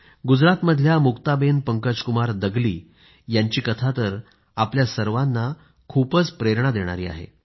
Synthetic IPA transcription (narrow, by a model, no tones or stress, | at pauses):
ɡud͡zɾat̪məd̪ʱljamukt̪abenpəŋkəd͡ʑkumaɾd̪əɡliː | jaɲt͡ɕiːkət̪ʰat̪əɾ | apljasəɾʋanːa | kʰupət͡spɾeɾɳ̃ad̪eɽ̃a̰ɾḭːa̰ɦḛ